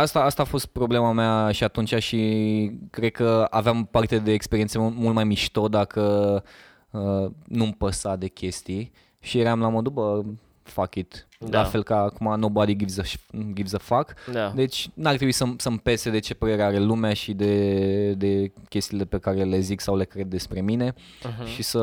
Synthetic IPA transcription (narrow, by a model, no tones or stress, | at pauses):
ast̪aast̪aːfo̞st̪̚pɾo̞ble̞mamaʃiat̪unt͡ʃaʃi | kɾe̞d̪̚kəa̰veampart̪e̞d̪e̞ːkspeɾiet̪semmult̪̚majmiʃt̪o̞d̪akə | ənumpəsad̪e̞kʲe̞st̪ij | ʃijeɾeamlamod̪ubə | fakʲit̪ | lalfe̞lkaːkumanobad̪iɡivzəʃɡivsəfak̪d̪e̞t͡ʃʲnart̪ɾebuisəmsəmpe̞sed̪e̞t͡ʃe̞pəɾe̞ɾeaɾe̞lumeaʃid̪e̞d̪e̞kʲe̞st̪ile̞pekaɾele̞ziksawle̞kɾe̞d̪̚ːe̞spɾe̞mine̞ | ʃisə